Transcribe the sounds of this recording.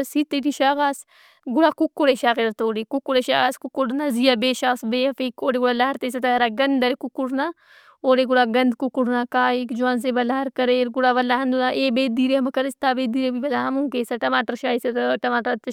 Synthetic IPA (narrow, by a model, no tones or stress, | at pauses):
sit̪eʈiʃaːɣaːs | ɡuɽaːkukːoɽeʃaːɣeɾɐɾt̪oːɽikukːuɽeʃaːɣaːskukːuɽnazijabeːʃaːsbeːɐfikoːɾeɡuɽalaɦɐɾt̪eːsɐt̪ɐɾaɡɐnd̪ɐɾekukːuɽna | oːɾeɡuɽaːɡɐnd̪kukːuɽnakaːikd͡ʒuaːns̬ebɐlaːɦɐɾkɐɾeɾɡuɽaːʋɐlːaːɦɐnd̪ulaʔeːbeːd̪iːɾeɐmɐkɐɾest̪aːbeːd̪iːɾebibɐlaːɦɐmũkeːsɐʈɐmaːʈəɾʃaːiset̪ʈɐmaːʈəɾt̪